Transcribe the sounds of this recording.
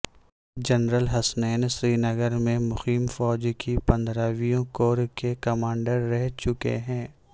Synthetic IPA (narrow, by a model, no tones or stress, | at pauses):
d͡ʒɐnɾəlɦɐsnɛːnsɾiːnɐɡəɾmẽmʊxiːmfɔːd͡ʒkʰipɐ̃nd̪ʱɾaːʋijõkoːɾkekɐmãːɳɖəɾːɛɦt͡ʃʊkḛɦɛ̃ː